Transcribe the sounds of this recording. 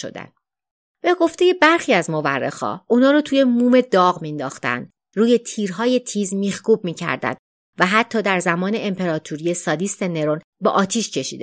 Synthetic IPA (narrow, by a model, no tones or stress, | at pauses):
o̰d̪æ̰n | b̥eɡo̞ft̪e̞je̞bæɾxiːæzmo̞væ̰rːḛxhɒ̰ːʔunɒːɾot̪ʰuːje̞muːme̞d̪ɒːɣmind̪ɒːxt̪æ̰nd̪̥ | ruːje̞t̪ʰiːɾɦɒːje̞t̪ʰiːzmiːxkuːb̚miːcʰæ̰ɾd̪æ̰nd̪̥ | væɦæt̪ʰːɒːd̪æɾzæmɒːne̞empʰe̞ɾɒːt̪ʰuɾije̞sɒːd̪iːst̪e̞ne̞ɾon | beʔɒːt̪ʰiːʃcʰe̞ʃḭd̪e